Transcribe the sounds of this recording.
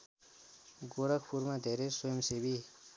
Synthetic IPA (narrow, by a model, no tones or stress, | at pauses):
ɡoɾʌk̚ʰpʰuɾmad̪ʱeɾeswojʌmsebi